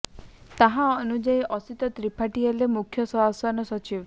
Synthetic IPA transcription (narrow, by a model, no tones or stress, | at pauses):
t̪aɦãɔnud͡ʒajʔɔsit̪ɔt̪ɾipʰaʈialemukʰjɔsɔɦasɔnɔsɔt͡ʃiw